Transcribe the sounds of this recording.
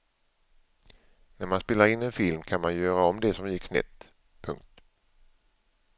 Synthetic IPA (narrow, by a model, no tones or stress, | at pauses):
næɾmanspeːlaɾɪnːɛnfɪlmkʰanmanjœːɾaɔmd̪ɛsɔmjɪkːsnɛ̰t̪ː | pʰɵ̰ŋk̚t̪